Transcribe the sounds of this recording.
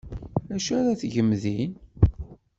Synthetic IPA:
æʃæɾaθʝəmːðin

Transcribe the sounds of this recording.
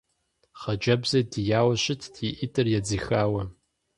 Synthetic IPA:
χɐd͡ʒɐbzɐdijaːwɐʃɪtʰːiʔitʰʼɨrjad͡zixaːwɐ

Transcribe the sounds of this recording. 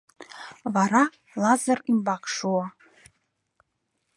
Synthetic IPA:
vaɾa | lazarimbakʰʼʂuwa

